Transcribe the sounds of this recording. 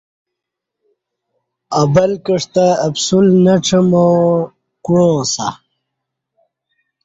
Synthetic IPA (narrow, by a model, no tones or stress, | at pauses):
ɐbɐlkəʂt̪aːbsulnɐʈ͡ʂʰɐmo | kuɻõːsa̰